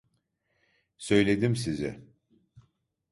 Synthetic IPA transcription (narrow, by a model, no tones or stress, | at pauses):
sø̞jlʲed̪imsizɪ̰